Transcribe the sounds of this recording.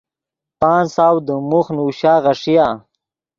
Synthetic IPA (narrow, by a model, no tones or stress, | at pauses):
paːnsaːwd̪əmuxnuːɕaːɣaʂija